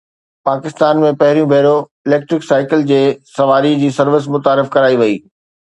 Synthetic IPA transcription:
paːkɪst̪aːnmẽpɐɦɪɾijũbʱeːɾo | ɪleːk̚ʈɾɪksaːɪkɪld͡ʑeːsɐʋaːɾid͡ʑiːsɐɾʋɪs̬mʊt̪aːɾɪfkɐɾaːiʋɐḭː

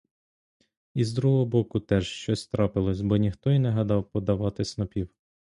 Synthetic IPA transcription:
izd̪ɾuɦɔɦɔbɔkʊt̪ɛʒʃt͡ʃɔsʲt̪ɾɑpɪlˠɔsʲbɔnʲixt̪ɔinɛɦɐd̪ɑwpɔd̪ɐʋɑt̪ɪsnɔpʲiw

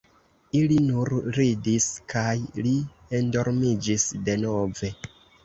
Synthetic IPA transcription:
ilinuɾɾidiskʰajli | endo̞ɾmid͡ʒisde̞no̞ve̞

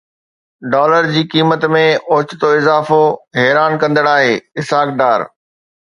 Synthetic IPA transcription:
ɖɔːləɾd͡ʑiːkiːmət̪mẽʊːt͡ɕɪt̪oɪzaːfoɦɛːɾaːnkɐ̃nd̪əɽaːɦeːɪsaːkɖaːɾ

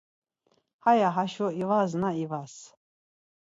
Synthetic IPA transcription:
hajaɦaʃɔivaznaivas

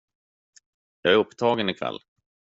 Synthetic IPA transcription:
jɑːɡæɾɵpːt̪ʰɑːɡənɪkʰa̰lː

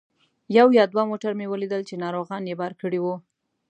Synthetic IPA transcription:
jawjɑd̪wamoʈaɾmewəlid̪əlt͡ʃenɑɾoɣɑnjebaɾkəɽiwu

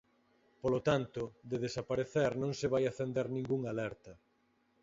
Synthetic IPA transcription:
polot̪ant̪ʊd̪eðesapaɾeθɛɾnõŋsɪβajaθend̪ɛɾnĩŋɡuŋalɛɾt̪ɐ

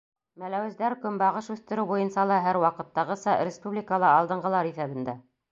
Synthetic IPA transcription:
mælæwɘ̆zd̪æɾkɵmbɑʁɤʃʉθt̪ɘ̆ɾɘwbujɤnsɑlˠɑɦæɾwɑqɤ̆t̪ːɑʁɤsɑɾʲɪspublʲɪkəlˠɑɑlˠd̪ɤ̆ɴɢɤ̆lˠɑɾiθæβɘ̆nd̪æ

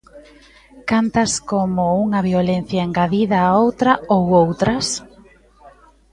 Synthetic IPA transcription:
kant̪ɐskomʊuŋɐβjolen̟θjaeŋɡaðiðɐːowt̪ɾɐowowt̪ɾɐs

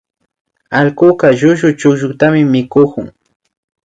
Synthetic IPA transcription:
alkʊkaʒʊʒʊt͡ʃʊkʒʊt̪amɪmɪkʊkʊŋ

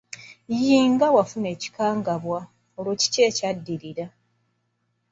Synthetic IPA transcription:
jiːŋɡawafune̞ːci̥kaːŋɡaβwa | olwoːci̥ce̞ːcadːiɾiɾa

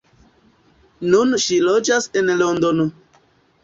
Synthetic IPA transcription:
nunʃilod͡ʒasenlond̪ono

